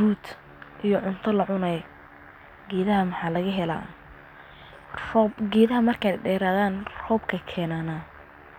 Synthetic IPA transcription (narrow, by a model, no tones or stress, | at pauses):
ɾuːd̪ | ʔijɔʕʊnt̪ʰɐlɐʕʊnɐj | ɡɛːðɐɦɐmɑħɑːlɐɣɐɦɛla̰ː | rɔbɡɛːðɐɦɐmɐrkʰaːj̪ɖɛːɾaːðaːnrɔːbkʰɐkʰɛːnaːnaː